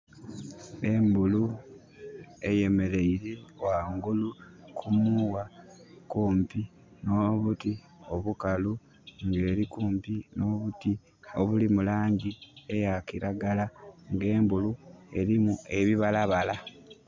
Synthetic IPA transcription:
e̞mbulu | e̞je̞me̞ɾe̞iɾewaŋɡulukʰumuwakuːmpi | no̞βuti | o̞βukalu | ŋɡe̞ːɾikuːmpino̞ːβuti | o̞βulimulaːɲɟie̞jakiɾaɡalaŋɡe̞ːmbulue̞ɾimue̞βiβalaβala

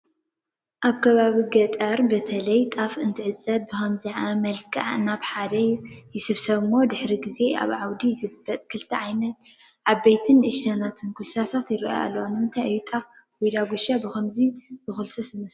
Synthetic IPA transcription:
ʔaβkʰɐβaβiɡɐt̪ʼɐɾbɐt̪ʰɐlɐjt̪ʼafɨnt̪ʰɨʕɨt͡sʼːɐd̪̚bɨxɐmziʕamɐlkʰɐ̰ʕnaβħad̪ɐjɪsɨβsɐβɨmːo̞d̪ɨħɾiɡize̞a̰βʕawd̪izɨbɐt̪ʼkʰɨlt̪ʰɐʕajnɐt̪̚ʕaβːejt̪ʰɨnʔɨʃanat̪ʰɨnkʰusasat̪jɪrɐ̰ʔa̰lːwanɨmnt̪ʰaʔɨjːut̪ʼaf | wujd̪aɡʷuʃabɨxɐmzizɨxulsɐsɨmɐs

